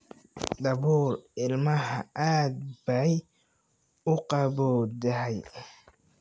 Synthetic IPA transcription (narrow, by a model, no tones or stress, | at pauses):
d̪ɐβuːlɪlmɐɦɐʔaːd̪̚bɐj | ʊqɑbɔːd̪ɐɦɛj